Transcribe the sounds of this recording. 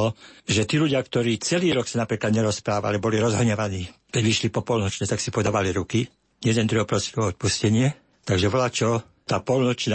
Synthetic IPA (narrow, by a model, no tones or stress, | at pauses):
ɔʒɛt̪iːluɟɪakt̪ɔɾiːt͡sɛliːɾɔksanapɾiːklad̪ɲɛɾɔspɾaːʋa̰libɔliɾɔzɦɔɲɛʋaniːkɛɟʋiʃlipɔpɔlnɔt͡ʃɲɛt̪aksipɔd̪aːʋaliɾuki | jɛd̪ɛnɾuɔpɾɔsɛ̥kɔɔt̪̚puscɛɲɪɛ | t̪aɡʒɛʋɔlat͡ʃɔ | t̪aːpɔlnɔt͡ʃna